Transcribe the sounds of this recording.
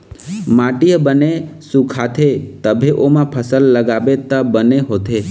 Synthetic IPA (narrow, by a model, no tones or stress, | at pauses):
mãʈijəbənesukʰat̪ʰet̪əbʱeʔomãpʰəsəlːəɡabet̪əbəneɦot̪ʰe